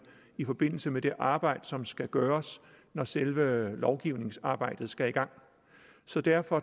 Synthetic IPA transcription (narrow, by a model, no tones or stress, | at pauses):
ifɒ̽b̥e̝n̰l̩səmed̥e̝ʔɑ̈ːb̥ɑ̈ɪ̰d̥əsɒ̽msɡ̥æɡ̥ɶːɐs | nɒselʋəlɒʊɡ̥iʊ̰ne̝ŋsɑ̈ːb̥ɑ̈ɪ̰d̥ð̞̩ˠsɡ̥æiɡ̥ɑ̈ŋ̰ | sɒ̽d̥æɐfɒ̽